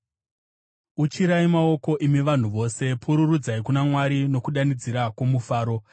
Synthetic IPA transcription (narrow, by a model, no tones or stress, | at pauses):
ut͡ʃiɾaimao̞ko̞ʔimiʋan̤uʋo̞ːse̞pʰuɾurud͡zaikunamwaɾino̞kuɗanid͡ziɾakwo̞mufaːɾo̞